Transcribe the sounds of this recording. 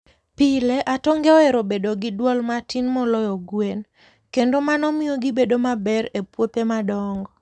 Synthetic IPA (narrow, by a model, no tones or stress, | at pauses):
pileʔatɔŋɡeɔɛɾobedoɡɪdwɔlmatinmɔlɔjɔɡwen | kendomanɔmɪoɡɪbedomabɛɾepwopemadɔŋɡɔ